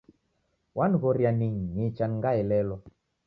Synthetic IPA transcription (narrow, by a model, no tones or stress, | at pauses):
wanɣɔɾjaniŋ̩ɲit͡ʃanŋɡaɛlɛlɔ